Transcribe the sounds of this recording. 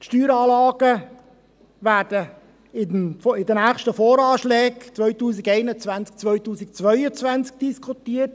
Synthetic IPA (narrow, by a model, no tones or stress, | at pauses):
tʃtyːɾɑːlɑːɡ̥ə | væːɾd̥ə | ɪnɪd̪ənæːχʃtəfoːɾɑːʃlɛːkt͡sʋœʏtuːsɪɡɛɪnət͡sʋænt͡sk̚t͡sʋœʏtuːsɪkt͡sʋœʏət͡sʋant͡sk̚d̥iskʰutiːət